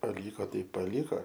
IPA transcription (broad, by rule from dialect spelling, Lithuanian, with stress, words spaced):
pɐˈlʲiːkoː ˈtɐɪ pɐlʲiːˈkoː